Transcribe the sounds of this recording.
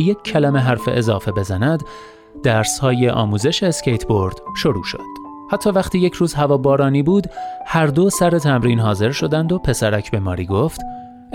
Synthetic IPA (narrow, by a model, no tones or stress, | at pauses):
je̞cʰːælæme̞ɦæɾfḛʔezɒːfe̞be̞zænæd̪ | d̪æɾshɒːje̞ʔɒ̰ːmuːze̞ʃeːscejt̪ʰbo̞ɾd̪̥ʃo̞ɾuːʃo̰d̪̥ | hæt̪ʰːɒːvæχt̪ʰiːje̞cʰɾuːzhævɒːbɒːɾɒːniːbuːd̪hæɾd̪o̞sæɾe̞t̪ʰæmɾiːnɦɒːze̞ɾʃo̞d̪ænd̪o̞pʰe̞sæɾæcʰbe̞mɒ̰ːɾiːɡo̞ft̪